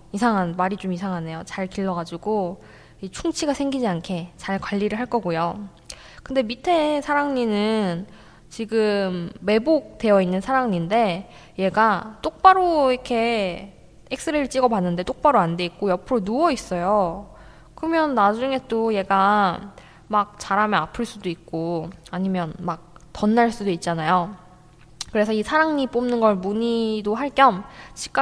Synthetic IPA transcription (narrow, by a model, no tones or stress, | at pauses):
isʰaŋɦanmaɾit͡ɕomis̬ʰaŋɦane̞jot͡ɕaɭkiɭːʌɡad͡ʑiɡo | it͡ɕʰuŋt͡ɕʰiɡasʰe̞ŋɡid͡ʑiankʰe̞t͡ɕaɭkwaʎːiɾɯɭɦaɭk͈ʌɡujo | kɯnde̞mitʰe̞sʰaɾaŋɲinɯn | t͡ɕiɡɯmːe̞bok̚t͈e̞jʌinːɯnsʰaɾaŋɲinde̞ | je̞ɡat͈ok̚p͈aɾoiɾikʰe̞ | ek̚s͈ɯɾeɾɯɭt͡ɕ͈iɡʌbanːɯnde̞t͈ok̚p͈aɾoande̞ik̚k͈ojʌpʰɯɾonuʌis͈ʌjo | kɯɾʌmjʌnːad͡ʑuŋe̞t͈oje̞ɡa | mak̚t͡ɕaɾamjeapʰɯɭs͈udoik̚k͈oaɲimjʌnmak̚tʌnːaɭs͈udoit̚t͡ɕ͈anajo | kɯɾe̞sʰʌisʰaɾaŋɲip͈omnɯnɡʌɭmuɲidoɦaɭk͈jʌmt͡ɕʰi̥k͈a